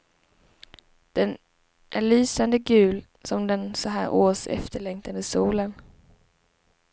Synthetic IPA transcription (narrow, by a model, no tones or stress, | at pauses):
d̪̥ɛn | ʔæɭyːsand̪əɡʉ̟ːl | sɔmd̪ɛnsɔɦæːɾʔoːsɛ̰ft̪ʰəɭɛŋt̪ʰand̪əsuːlən